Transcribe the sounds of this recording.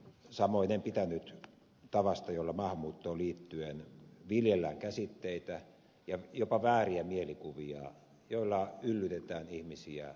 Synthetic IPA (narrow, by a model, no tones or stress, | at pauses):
sɑmoinempit̪ænyt̪ | t̪ɑʋɑst̪ɑjolːɑmɑhmuːt̪ːoːliːt̪ːyenʋiljelːæŋkæsit̪ːeit̪æ | jɑjopɑʋæːriæmielikuʋiɑ̰ | joilːɑylːyt̪et̪æːnihmisiæ̰